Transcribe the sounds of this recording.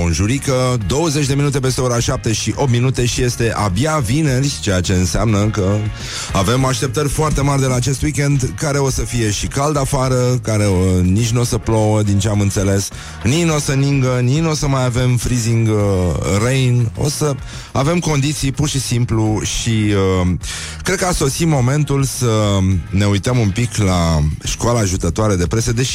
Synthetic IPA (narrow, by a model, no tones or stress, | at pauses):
ko̞nʒuɾikəd̪o̞wəze̞t͡ʃʲd̪e̞minut̪̬e̞pe̞s̬t̪ɾeo̞ɾaʃap̚t̪eʃiʔo̞pt̪̚minut̪e̞ʃije̞st̪e̞ʔabjavine̞rʲt͡ʃe̞jat͡ʃe̞ɨnseamnəkə | ave̞maʃt̪e̞p̚t̪ərʲfoart̪e̞marʲd̪e̞laːt͡ʃe̞st̪wikʲe̞nd̪kaɾe̞o̞səfije̞ʃikald̪afaɾəkaɾe̞nit͡ʃʲnuo̞səplowəd̪int͡ʃeamɨnt̪se̞le̞s | nino̞səniŋɡənino̞səmajave̞mfɾiziŋɡ | rejno̞̰sə | ave̞mko̞nd̪it̪sijpurʃisimpluʃiə | kkɾed̪kəaso̞simo̞me̞nt̪ulsəne̞ujt̪əmumpiklaʃkoalaːʒut̪ət̪oaɾed̪e̞pɾe̞sed̪e̞ʃi